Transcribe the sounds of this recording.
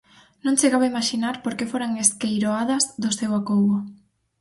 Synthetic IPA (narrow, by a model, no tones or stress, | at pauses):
nõŋt͡ʃeɣaβaimaʃinaɾpoɾkefoɾaŋeskejɾoaðɐzðʊsewakoɣʊ